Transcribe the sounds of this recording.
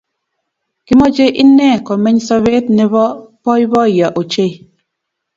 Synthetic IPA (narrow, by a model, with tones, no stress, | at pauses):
ki˦mɔ˦d͡ʒe˦ʔi˦nɛ˦˨kɔ˨mɛ˦ɲsɔ˦βe˦t̚ne˨βɔ˦pɔ˦i˦βɔ˦˨ja˨ʔo˨t͡ʃe˦˨